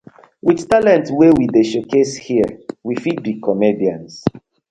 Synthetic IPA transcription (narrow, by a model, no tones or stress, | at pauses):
wiðtalɛ̃ntwewideʃokʰeshiəwifid̚dikʰɔmediãns